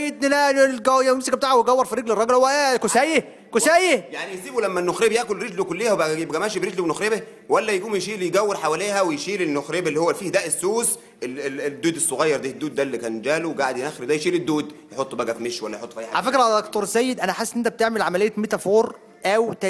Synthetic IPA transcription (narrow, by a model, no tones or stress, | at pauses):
jed̪enælɡæjæmesekæbet̪aːʕawejɡæwːeɾˤfiɾˤeɡlerˤɑɡelhowːæʔækosæːje | kosæːjejaʕnijesiːbulæmːænːoxɾebjæʔkolɾeɡlokolːehæwbæebæɡæmæʃibɾeɡluwenoxɾebe | wælːæjeɡuːmjeʃiːʔljɡæwːeɾħawæleːhæwejʃiːlenːoxɾeːbelːihowːæfiːhd̪æʔesːuːs | eed̪ːuːd̪esˤːoɣɑjːɑɾˤd̪iːd̪ːuːd̪ːælːikæːnd͡ʒæːluwɡaʕed̪jnæːxeɾd̪æjʃiːled̪ːuːd̪jeħot̪ˤːbæɡæfmeʃwælːæjħot̪ːfæjħaalæfekɾʕald̪okt̪oɾˤsæjːed̪ʔænæħasːʔnːʔent̪æb̚et̪eʕmelʕamælejːæmet̪æfoːɾˤ | ʔæwt̪æ